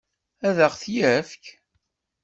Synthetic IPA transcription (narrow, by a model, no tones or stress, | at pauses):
æðəʁθjæfk